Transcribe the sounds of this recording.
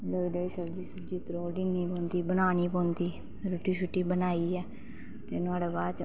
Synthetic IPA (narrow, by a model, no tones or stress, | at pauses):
ləɡd̪eːiːsəbd͡ʒiːsʊd͡ʒiːt̪ɾoːɖiːniːpɔ̃ːnd̪iːbənaːniːpɔ̃ːnd̪iː | ɾʊʈːiːʃʊʈːiːbənaːiːɛː | t̪eːnʊaːɽeːbaːt͡ʃ